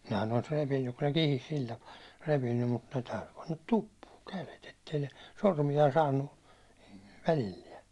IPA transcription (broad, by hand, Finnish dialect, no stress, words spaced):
nehæn olis repinːyk kun ne kihis sil tɑpɑː repinːym mut tæyty pɑnːɑt tupːuːŋ kælet etːei ne sormijɑ sɑːnːu ʋælilːiɛ